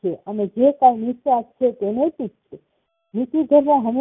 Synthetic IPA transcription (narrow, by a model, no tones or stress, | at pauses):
eʔəmed͡ʒekajnit̪akt͡ʃʰet̪eneʈik̚t͡ʃʰe | nit̪id̪ʱəɾmãɦəme